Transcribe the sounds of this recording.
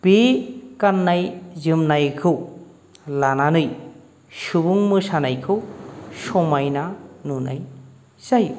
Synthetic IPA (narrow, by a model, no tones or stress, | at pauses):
b̥ekanːajzɯmnajkʰɯw | lananɯj | subuŋmɯsanajkʰɯsɔmajnanuna̰j | zaj